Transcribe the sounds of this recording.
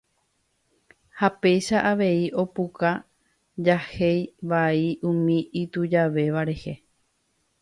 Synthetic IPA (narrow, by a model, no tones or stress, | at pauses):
hape̞jʃaʔaʋe̞iʔo̞puka | d͡ʒahe̞jʋaiʔũmĩit̪ud͡ʒaʋe̞ʋaɾe̞he